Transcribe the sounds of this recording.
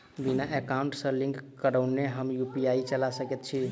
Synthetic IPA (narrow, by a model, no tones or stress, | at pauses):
binaekaũɳʈsə̃lĩŋkːəɾəwnːeɦəmjupiait͡ʃəlasəkɛt̪̚t͡ʃʰi